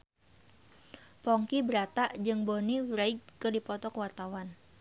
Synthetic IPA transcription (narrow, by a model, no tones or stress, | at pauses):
pɔŋkibəɾat̪aʔd͡ʒɨŋboniɾaid͡ʒkɨrdipɔt̪ɔkəwart̪awan